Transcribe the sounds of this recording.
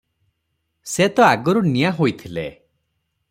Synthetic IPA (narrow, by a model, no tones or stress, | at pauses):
set̪ɔaɡɔɾunijaɦojt̪ʰile